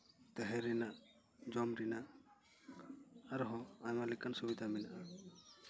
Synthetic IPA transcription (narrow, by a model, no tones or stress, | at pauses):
t̪ɛɦɛɾina | d͡ʒɔmɾina | ɾɦɔ̃ajmalikansubid̪ʱaminʔa